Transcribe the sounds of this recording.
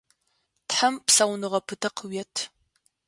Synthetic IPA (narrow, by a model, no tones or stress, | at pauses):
tħampsɐwnɨʁɐpʰɨtʰɐqʰəwɛtʰ